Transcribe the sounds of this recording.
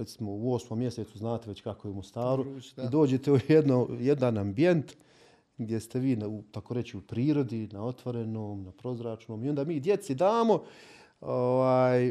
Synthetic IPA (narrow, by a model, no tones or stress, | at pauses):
ɾet̪simouo̞ːsmomːje̞set̪suznaːt̪eʋe̞t͡ɕkakojeumost̪aːɾuid̪o̞ːd͡ʑe̞t̪eojed̪nojed̪anambije̞nt̪ | ɡd̪je̞st̪e̞ʋiːnaut̪akoɾe̞t͡ɕiupɾiːɾo̞d̪inao̞t̪ʋo̞ɾe̞noːmnapɾo̞zɾat͡ʃno̞ːmio̞nd̪aːmiːd̪je̞t̪sid̪aːmo̞ | oʋaːj